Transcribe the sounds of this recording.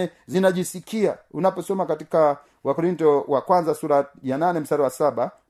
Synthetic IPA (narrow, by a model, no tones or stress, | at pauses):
ɛzinaʄisikʰiaunapɔsɔmakatika | wakɔɾintɔwakwanzasuɾajananɛm̩staɾawasaɓa